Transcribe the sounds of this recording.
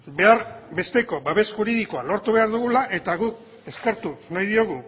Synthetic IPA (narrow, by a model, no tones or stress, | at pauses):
be̞aɾbe̞st̪e̞ko̞baβe̞sʝuɾiðiko̞alo̞ɾt̪uβe̞aɾðuɣulaʔe̞t̪aɣuk | e̞ske̞ɾt̪unajðio̞ɣ̞u